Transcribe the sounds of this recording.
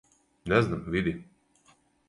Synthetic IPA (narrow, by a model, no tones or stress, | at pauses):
nɛzʲnamvʲid̪ʲi